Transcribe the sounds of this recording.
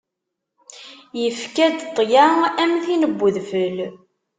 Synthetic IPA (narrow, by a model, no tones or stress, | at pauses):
jəfkæd̪t̪ˤːjaæmθinəbːəðfəl